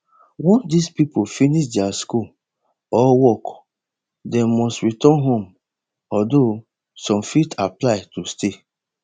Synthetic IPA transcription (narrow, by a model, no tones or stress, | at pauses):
wɔ̃ndispipofiniʃdɛaskul | ɔwɔk | dɛmɔstɹitɔ̃nɦõm | ɔdo | sɔ̃mfitʰaplaɪtustʰe